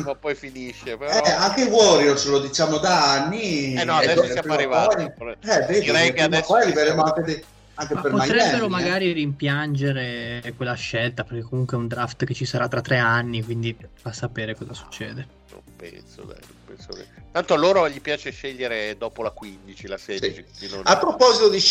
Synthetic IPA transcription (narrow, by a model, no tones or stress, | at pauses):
mapːɔjfiniʃːepeɾɛaŋkevwɔɾjolslod̪it͡ʃaːmod̪aanːiɛnːɔad̪ɛsaaɾivaɔoɛveːd̪iɾɛjkeamɛsɔjaɾiveɾeːmoaŋked̪e | aŋkempeɾpomat̪ɾɛbeɾomaɡaːɾiɾimpjand͡ʒeɾekwelːaʃɛlt̪aperk̟ekːomuŋkweɛund̪ɾaft̪ket͡ʃːisaɾat̪ːɾat̪ːɾeanːikwind̪ifasːapeːɾekɔzasu̥t͡ʃːɛ̰ːd̪e | no̰mpɛ̰nso̰d̪ɛ̰no̰mpɛ̰nso̰kḛt̪ant̪oaloːɾoʎipjaːt͡ʃeʃeʎːeɾed̪ɔːpolakwind̪it͡ʃilasɛst͡ʃiid̪inonapːɾopɔzit̪od̪i